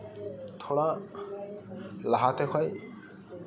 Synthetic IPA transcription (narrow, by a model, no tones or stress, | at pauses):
t̪ʰɔɽa | laɦat̪ɛkʰɔj